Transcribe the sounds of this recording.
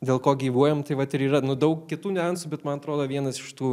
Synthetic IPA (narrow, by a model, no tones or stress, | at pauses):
d̪ʲeːlˠkoːɡʲiːʋuɔjɛmt̪ɐɪʋɐt̪ɪɾiːɾɐnʊd̪ɐʊkkʲɪt̪uːnʲɛɐnsuːbʲɛt̪mɐnɐt̪ɾoːd̪oːʋʲiɛnɐsɪʃt̪uː